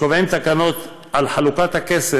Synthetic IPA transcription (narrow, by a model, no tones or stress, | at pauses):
ovemtakano̞t̪ | ʔalħalukat̪hakese